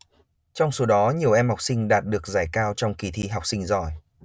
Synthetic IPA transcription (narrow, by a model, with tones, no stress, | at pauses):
t͡ɕɔ˧wŋ͡mso˨˦ɗɔ˨˦ɲi˨˩əwʔɛ˧mha˨˩wk͡p̚sï˧ŋ̟ɗaː˨˩t̚ɗɨ˨˩ək̚zaː˧˩jkaː˧wt͡ɕɔ˧wŋ͡mki˧t̪ʰi˧ɦa˨˩k͡p̚sï˧ŋ̟zɔ˧˩j